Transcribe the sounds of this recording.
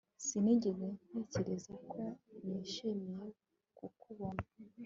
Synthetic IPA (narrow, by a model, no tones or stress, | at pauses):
sineɟeɡen̥eːceɾezakʰoniʃimije | kukuβona